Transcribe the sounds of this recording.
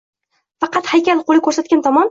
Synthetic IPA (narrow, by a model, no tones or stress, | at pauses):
fɑqɑt̪hajkʲalˠqolˠɪkʰɵɾsat̪̚ɡʲant̪ʰɒmɒn